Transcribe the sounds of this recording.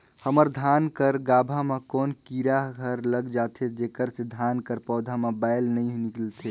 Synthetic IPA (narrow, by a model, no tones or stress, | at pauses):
həməɾd̪ʱankəɾɡabʱamekoːnkiɾaɦɡʱəɾləɡd͡ʒat̪ʰed͡ʒekəɾsed̪ʱankəɾpɔːd̪ʱamebajlnəjɦniklt̪ʰe